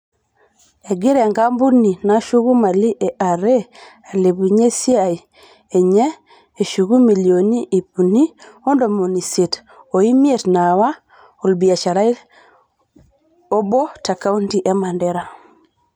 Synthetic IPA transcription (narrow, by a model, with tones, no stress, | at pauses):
e˨ɡi˦ɾɛ˨ŋɡa˦mbu˦ni˨na˦ʃu˦ɣu˦ma˨li˦ʔe˨ʔa˨ɾe˦ | a˨le˨bu˨ɲe˦si˦a˨i˨ | e˨ɲɛ˦ | e˨ʃu˨ɣu˦mi˨ljo˨ni˦ʔi˨pu˨ni˦o˦ndo˨mo˨ni˨se˨t | o˨i˦mi˦e˨tna˨wa˦ | o˨lbi˨a˨t͡ʃa˨ɾa˦i˦ | o˦bo˦ta˨ka˦u˦nti˨ʔɛ˦ma˨ndɛ˦ɾa˨